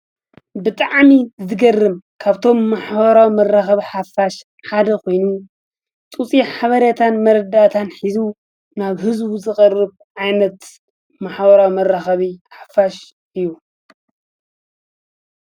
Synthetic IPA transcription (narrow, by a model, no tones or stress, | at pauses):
bɨt̪ʼaʕmizɨɡɐrːɨmkʰaβt̪ʰo̞mːaħbɐɾawmɐrːaxɐβiħafaʃ | ħad̪ɐkʰo̞jnu | t͡sʼut͡sʼiħaβɐɾjat̪ʰanmɐɾɐd̪at̪ʰanħizu | naβɦɨzbuzɨxʼɐrːɨβ | ʕajnɐt̪ | maħbɐɾawmɐrːaxɐβiħafaʃ | ʔɨjːu